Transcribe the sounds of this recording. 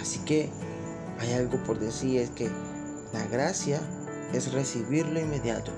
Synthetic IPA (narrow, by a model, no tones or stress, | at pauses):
asike | ajalɣo̞poɾðesiɾeske | laɣɾasja | e̞sresiβiɾloinmeðjat̪o